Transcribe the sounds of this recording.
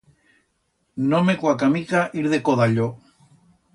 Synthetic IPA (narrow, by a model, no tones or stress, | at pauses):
nomekwakamikaʔiɾðekoðaʎo